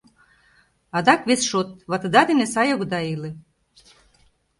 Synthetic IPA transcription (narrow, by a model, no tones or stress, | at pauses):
ɑd̪ɑkβesʃot̪̚βat̪ɤd̪ɑd̪enesɑjoɣd̪ɑilĕ